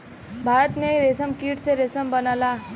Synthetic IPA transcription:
bʱaːɾət̪mẽɾesəmkiːʈʰseɾesəmbɐnaːlaː

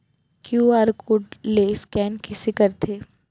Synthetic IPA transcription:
kjuːaːɾkʊɖleskɛːnkisɪkəɾt̪ʰeː

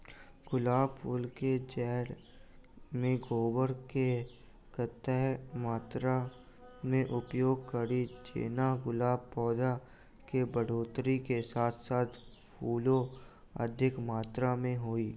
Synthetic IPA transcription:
ɡʊlaːbpʰuːlked͡ʒɛːɾ | mẽɡoːbəɾke | kət̪ɛːmaːt̪ɾa | mẽʔʊpjoːɡ̚kəɾid͡ʒḛːnaɡʊlaːbpɔːd̪a | kebəɽ̤oːt̪ɾikesaːt̪ʰsaːt̪ʰ | pʰuːlõ | ə̰d̪ʱɪkmaːt̪ɾamẽɦoːiː

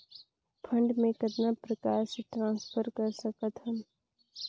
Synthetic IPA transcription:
pʰɐ̃ɳɖmẽkɐd̪napɾɐkaːɾseʈɾãːnspʰəɾkɐɾsɐkət̪ɦəm

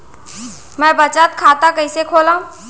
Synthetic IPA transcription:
mɛ̃ːbət͡ʃət̪kʰaːt̪akɐisekʰoːlãũ

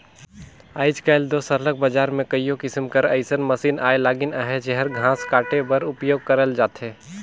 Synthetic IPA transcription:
aːɪd͡ʒkaːɪld̪oːsəɾlək̚bəd͡ʒaːɾmẽkɐijõkɪsmkɐɾɐɪsənmɐsiːnaːelaːɡɪnaɦed͡ʒɛɦəɾɡʱãːskaːʈebɐɾʊpjoːɡ̚kɐɾəld͡ʒaːt̪ɦɛː

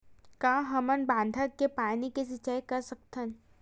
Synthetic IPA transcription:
kãːɦɐmənbãːnd̪ʱəkːepaːnikes̬ɪt͡ʃajkɐɾsək̚t̪ʰən

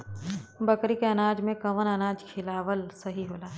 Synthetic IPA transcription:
bɐkɾikeɐnaːd͡ʒmẽkɐʋənɐnaːd͡ʒkʰɪlaːʋəlsɐɦiɦoːlaː

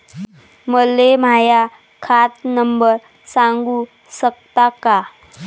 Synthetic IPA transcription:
məlːemaja | kʰat̪nəmbəɾ | sãŋɡu | sək̚t̪aka

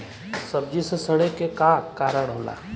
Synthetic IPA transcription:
səb̚d͡ʒisesəɽ̃ekekaːkːaːɾəɽ̃ɦoːla̰ː

